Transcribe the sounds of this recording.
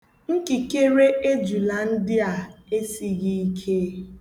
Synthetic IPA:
ŋ̩˦ki˨ke˦ɾe˦e˦d͡ʒu˨la˨n̩˦dɪ˦a˨e˦si˨ɣi˦i˦kʰe˦

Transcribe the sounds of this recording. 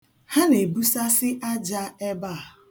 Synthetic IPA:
ha˦ne˨bu˦sa˦sɪ˦ʔa˦d͡ʒa˦e˦ba˦˨

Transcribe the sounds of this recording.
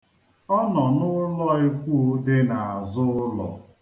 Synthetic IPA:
ɔ˦nɔ˨nʊ˦lɔ˦e˦kʷu˦dɪ˦na˨a˨zʊ˦lɔ̰˨

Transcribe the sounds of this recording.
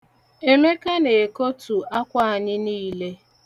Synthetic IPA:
e˦me˦ka˦ne˨e˨ko˦tu˨a˦kʷa˦a˨ɲɪ˦niː˦le˦

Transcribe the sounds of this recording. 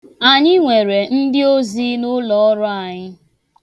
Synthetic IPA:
a˨ɲɪ˦ŋʷe˨ɾe˨n̩˦dɪ˦o˦zi˦nʊ˦lɔ˨˦ɔ˦ɾʊ˦a˨ɲɪ˦

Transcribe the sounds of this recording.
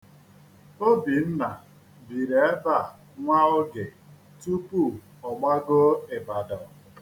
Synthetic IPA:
o˦bi˨n̩˦na˨ | bi˨ɾe˨e˦ba˦˨ | ŋʷa˦ʊ˦ɡɪ˨ | tu˦pu˦˨ | ɔ˨ma˦ɡo˦e˨ba˨dɔ˨

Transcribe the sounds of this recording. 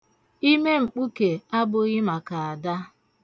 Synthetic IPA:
i˦me˦ŋ͡m̩˨k͡pu˦ke˨a˦bʊ˦ɣɪ˦ma˨ka˨a˨da˦

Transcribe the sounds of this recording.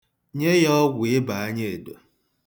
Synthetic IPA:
ɲe˦jɔ˦ɡʷɪ˦ba˨a˦ɲe˦e˨do˨

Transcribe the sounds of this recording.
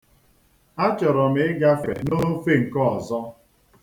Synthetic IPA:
a˦t͡ʃɔ˨ɾɔ˨m̩˦ɪ˦ɡa˦fḛ˨no˦fe˦ŋ̩˨kɔ˦ɔ˨zɔ˦

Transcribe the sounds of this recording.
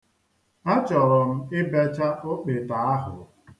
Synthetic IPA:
a˦t͡ʃɔ˨ɾɔ˨m̩˦ɪ˦be˦t͡ʃa˦ʔo˦k͡pe˨ta˨a˦ɦʊ̰˨

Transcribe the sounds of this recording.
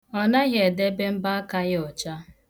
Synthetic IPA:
ɔ˦na˦ɣe˨de˦be˦m̩˦ba˦ka˦ɣɔ˨t͡ʃa˦

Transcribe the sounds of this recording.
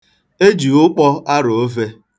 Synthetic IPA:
e˦d͡ʒi˨ʊ˦k͡pɔ˦a˦ɾo˨o˦ve˦

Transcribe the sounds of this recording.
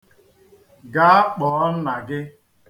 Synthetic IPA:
ɡa˦a˦k͡pɔː˨˦n̩˦na˨ɡɪ˦

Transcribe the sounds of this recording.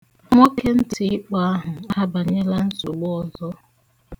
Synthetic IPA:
mo˦kʰe˦n̩˦tʰi˨˦ɪ˦k͡pa˦a˦ɦʊ˨a˦a˦ba˨ɲe˦la˦n̩˦zu˨ɡ͡bɔ˨zɔ˦

